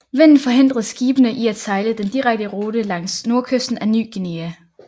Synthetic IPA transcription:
ʋen̰n̩ˠfɒ̽ɦe̝n̰d̥ʁɐðˠsɡ̥iːb̥ənəʔiæd̥sɑ̈ɪləd̥end̥iʁaɡ̥̚d̥əʁoːɾ̥əlɑ̈ŋ̰sno̝ɐkʰøsd̥n̩æny̰ːɡ̥eneːæ

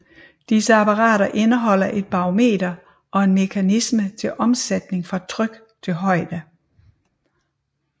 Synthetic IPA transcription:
d̥isəæpʰɑ̈ʁɑ̰̈ːɾɐʔe̝nəɦɒ̽l̰ɐʔe̝d̥̚b̥ɑ̈ome̝̰ːd̥ɐ | ʔɒ̽e̝nme̝kʰænismət͡sʰe̝lʔɒ̽msed̥ne̝ŋfʁɑ̈t͡sʰʁœɡ̥ | t͡sʰe̝lɦɒ̽ɪ̰d̥ə

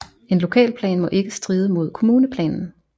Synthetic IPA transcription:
e̝nlo̝kʰɛ̰ːlpʰlɛ̰ːnmɒ̽ʔe̝ɡ̥əsd̥ʁiːð̞ˠəmo̝ð̞̰ˠkʰo̝muːnəpʰlɛ̰ːnn̩

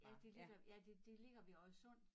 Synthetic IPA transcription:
jæd̥e̝le̝ɡ̥ɐjæd̥e̝d̥e̝le̝ɡ̥ɐʋiɒ̽sɔ̽n̰d̥

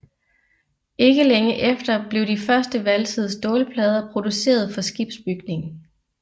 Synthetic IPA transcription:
e̝ɡ̥əleŋəʔefd̥ɐb̥le̝ʊd̥ifɶɐsd̥əʋælsʰiðˠsd̥ɔːləpʰlɛːð̞ˠɐpʰʁo̝d̥use̝̰ːɐð̞ˠfɒ̽sɡ̥ib̥sb̥yɡ̥ne̝ŋ

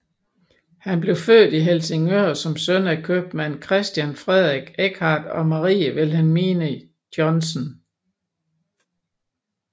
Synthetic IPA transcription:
hænb̥le̝ʊføð̰ːd̥iɦelse̝ŋøɐ̰sɒ̽msønækʰøb̥mænkʰʁɛsd̥jænfʁɛðˠʁiɡ̥eɡ̥ʰhɑ̈d̥ɒ̽mɑʁḭːəʋe̝lɦænmeːnə | d̥jɒnsən

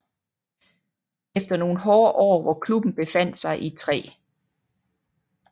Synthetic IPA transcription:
efd̥ɐno̝ːn̩ɦɒːʔɒ̰ːʋɒkʰlub̥n̩b̥e̝fæn̰d̥sɑ̈ɪʔit͡sʰʁɛ̰ː

